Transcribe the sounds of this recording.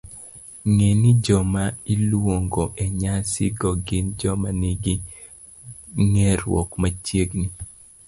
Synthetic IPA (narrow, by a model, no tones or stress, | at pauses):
ŋenid͡ʒɔmailwoŋɡɔʔeɲasḭɡɔɡɪnd͡ʒɔmaniɡi | ŋɛɾwɔ̰kmat͡ʃjeɡni